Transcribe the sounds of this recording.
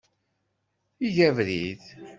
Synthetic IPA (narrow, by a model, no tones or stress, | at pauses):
iʝævɾið